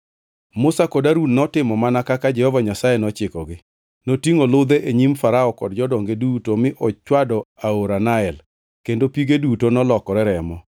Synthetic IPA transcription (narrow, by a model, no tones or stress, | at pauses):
mʊsakodaɾudnɔtɪmɔmanakakad͡ʒɛhɔvaɲasajɛnɔt͡ʃɪkɔɡɪ | notiŋolʊd̪ɛʔeɲimfaɾaɔkɔ̰dd͡ʒɔdɔŋɡedutomɪʔɔt͡ʃwadɔaoɾanaɛl | kendopiɡedutonɔlɔkɔɾɛɾɛmɔ